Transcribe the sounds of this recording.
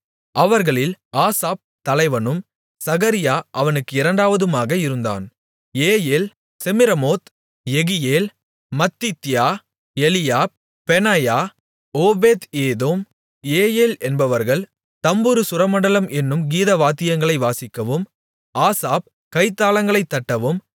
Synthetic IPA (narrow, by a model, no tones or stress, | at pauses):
ʔɐʋɐɾɣɐɭɪlaːsaːp̚t̪ɐlɐɪʋɐnɯm | sɐɣɐɾɪjaːʔɐʋɐnɯkːɯɪɾɐɳɖaːʋɐðɯmaːɣɐɪɾɯnd̪a̰ːn | eːjeːl | sɛmɪɾɐmoːt̪ | ɛɣɪjeːl | mɐt̪ːit̪ːɪjaː | ɛlɪjaː | pɛnaːjaː | oːbeːt̪eːðoːm | eːjeːlɛnbɐʋɐɾɣɐɭ | t̪ɐmbɯɾɯsʊɾɐmɐɳɖɐlɐmʔɛnːɯmɡiːðɐʋaːt̪ːɪjɐŋɡɐɭɐɪʋaːsɪkːɐʋɯm | aːsaːp̚ | kɐɪt̪ːaːlɐŋɡɐɭɐɪt̪ːɐʈːɐʋɯm